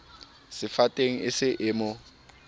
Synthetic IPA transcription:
sɪfatʼeŋ̩ɪsɪʔɪmʊ

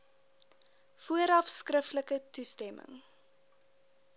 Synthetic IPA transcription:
fuəɾɐfskrəftləkətustɛmʔə̰ŋ

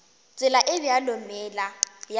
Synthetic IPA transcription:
t͡sʼwɪlaʔɪbɪjalʊmɛlaj

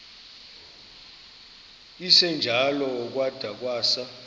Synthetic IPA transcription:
isɛnd͡ʒʱalɔːk̬ʼwad̥ʱak̬ʼwaːsa

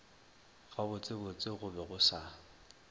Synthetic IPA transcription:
ɣabʊt͡sʼɪbʊt͡sʼɪɣʊbɛɣʊsa

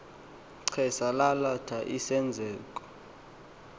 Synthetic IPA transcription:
ǀʰɛsalalatʰaʔisɛnd͡zʱɛːkʼɔ̥

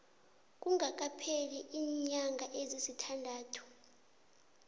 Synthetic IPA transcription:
k̬ʼuŋak̬ʼapʰeliʔiːɲaŋɡʱaʔezisitʰandʱaːtʰu̥

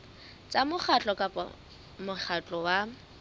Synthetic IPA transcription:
t͡sʼamʊχʰat͡ɬʼɔkʼapʼɔ̰ | mʊχʰat͡ɬʼɔwa

